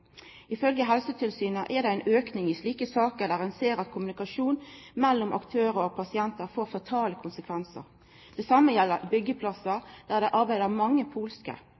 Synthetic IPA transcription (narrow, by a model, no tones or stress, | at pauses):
ɪfœlɡəɦɛlsət̪ʰɪlsyːnəʔɛʁd̪ɛæɪnøːknɪŋɪsliːkəsɑːkəd̪æːʁɛnseːɾɑt̪kʰʊmʉnɪkɑʂuːnmɛlːɔmʔɑ̰kt̪ʰøːɾəɾɔpʰɑsɪɛnt̪əɾfoːɾfɑt̪ʰɑːləkʰʊnsəkʰʋɛnsə̰ʁ | d̪̥ɛsɑmːəjɛlːəɾbʏɡːəpʰlɑsəd̪̥æːʁd̪ɛʔɑɾbæɪd̪əʁmɑŋːəpʰuːlskə̰